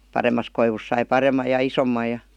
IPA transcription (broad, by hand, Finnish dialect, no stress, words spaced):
pɑremːɑs koiʋus sɑi pɑremˑɑj̆ jɑ isomːɑj jɑ